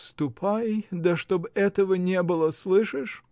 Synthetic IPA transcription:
st̪ʊpʰajd̪ɐʂt̪obɛt̪əvənʲebɨlˠəslˠɨʂɨʂ

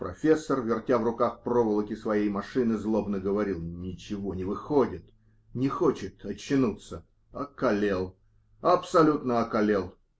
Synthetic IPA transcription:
pɾɐfʲe̞sːərvʲɪrtʲavrʊkaxpɾovəlˠəkʲɪsvɐjejmɐʂɨnɨzlˠo̞bnəɡəvɐɾʲilˠnʲɪt͡ɕɪvo̞nʲɪvɨxodʲɪt̪ | nʲɪxo̞t͡ɕɪt̪ɐt͡ɕːɪnut̪sə | ɐkɐlʲelˠ | ɐpsɐlʲut̪nəɐkɐlʲe̞lˠ

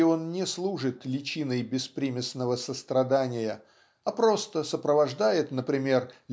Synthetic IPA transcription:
ɪo̞nnʲɪslˠuʐɨt̪lʲɪt͡ɕinəjbʲɪspɾʲimʲɪsnəvəsəst̪ɾɐd̪anʲɪjə | apɾo̞st̪əsəpɾəvɐʐd̪ajɪt̪nəpɾʲɪmʲe̞rlʲ

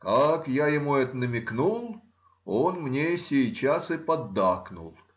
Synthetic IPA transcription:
kakjajɪmuɛt̪nəmʲɪknulˠ | o̞nmnʲesʲejt͡ɕasɨpɐd̪ːaknʊ̰lˠ

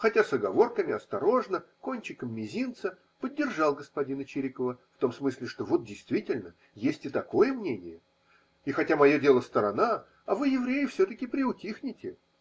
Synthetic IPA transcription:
xɐtʲasɐɡɐvo̞rkəmʲɪɐst̪ɐɾo̞ʐnəko̞nʲt͡ɕɪkəmːʲɪzʲint̪sə | pədʲːɪrʐɑlˠɡəspɐdʲinət͡ɕɪɾʲɪkəvəft̪o̞msmɨsʲlʲɪʂt̪o̞vo̞t̪̚dʲɪjst̪vʲitʲɪlʲnə | jesʲtʲɪt̪ɐko̞jəmnʲenʲɪjə | ixɐtʲamɐjo̞dʲe̞lˠəst̪əɾɐna | ɐvɨjɪvɾʲejɪfsʲot̪əkʲɪpɾʲɪʊtʲixnʲɪtʲɪ

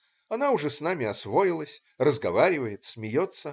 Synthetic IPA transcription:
ɐnaʊʐɛsnamʲɪɐsvo̞jɪlˠəsʲ | rəzɡɐvaɾʲɪvəjɪt̪smʲɪjo̞t̪sːə

